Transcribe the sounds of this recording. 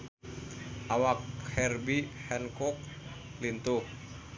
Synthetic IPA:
ʔawak̚hɛrbihɛnkɔk̚ | lint̪uh

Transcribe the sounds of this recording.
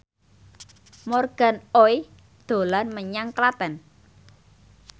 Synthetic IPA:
mɔrɡ̥a̤noj | d̪̥o̤lanməɲaŋklat̪ɛn

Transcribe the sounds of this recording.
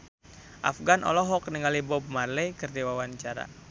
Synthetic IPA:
ʔa̰fɡanʔɔ̰lɔɦɔkniŋalibɔb̚marlɛkərdiwawaɲt͡ʃaɾa̰

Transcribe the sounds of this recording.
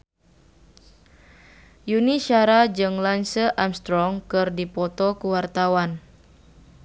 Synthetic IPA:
juniʃaɾad͡ʒɨŋlansəʔamst̪ɾɔŋkɨrdipɔt̪ɔkuwart̪awan

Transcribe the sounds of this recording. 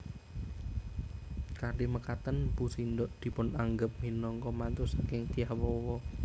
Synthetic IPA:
kaniməkat̪ənpusind̪ɔʔd̪̥i̤pʊnaŋɡəp̚minɔŋkɔmant̪usakɪŋt̪ijahwɔwɔ

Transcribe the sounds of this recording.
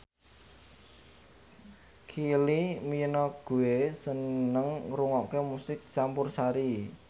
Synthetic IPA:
kʰiliminɔɡ̥ṳwesənəŋɾuŋɔkemusɪk̚t͡ʃampʊrsaɾi

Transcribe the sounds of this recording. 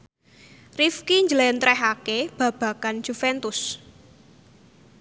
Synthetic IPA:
rifkiɲd͡ʒəlɛnt̪ɾɛɦakeb̥ä̤b̥ä̤kanʒ̥ufɛnt̪ʊs

